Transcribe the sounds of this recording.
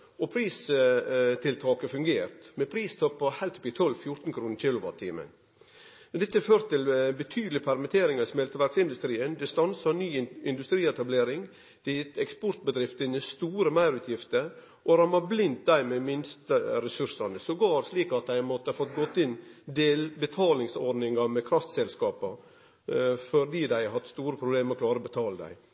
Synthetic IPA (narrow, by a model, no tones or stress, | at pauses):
ɔpʰɾiːs | t̪ʰɪlt̪ʰɑːkəfʉŋɡeːɾt̪mɛpʰɾiːst̪ʰɔpːɑhæɪlt̪ɔpːɪt̪ʰɔlʋfjʊɾt̪n̩kʰɾuːnɾkʰɪlʊʋɑ̰t̪ʰːḭːmə̰n | mɛnd̪ɛt̪ːəføːɾt̪ɪlbət̪ʰyːd̪əlɪpʰæɾmɪt̪ʰeːɾɪŋɑsmɛlt̪əʋæɾksɪnd̪ʉst̪ɾiːənd̪ɛst̪ɑnsɑnyːɪnd̪ʉst̪ɾiːɛt̪ɑbleːɾɪŋ | d̪̥ɪt̪ɛkspɔɾt̪̚bəd̪ɾɪft̪ənəst̪uːɾəmæɪɾʉːt̪ʰjɪft̪əɾ | ʔɔɾɑnʋɑblɪnt̪̚d̪æɪmɛmɪnst̪əɾɛsʉɾsɑnəsɔɡoːɾsliːkɑt̪̚d̪æɪmɔt̪ːəɑfɔt̪ɡɔt̪ːɪnd̪eːlbət̪ʰɑːlɪŋsɔɾɖnɪŋɡɑmɛkʰɾɑft̪sɛlskɑːpɑ | fɔɾd̪iːd̪æɪhɑt̪ːst̪uːɾəpʰɾʊbleːməɾɔkʰlɑːɾəɔbət̪ʰɑːləd̪æ̰ɪ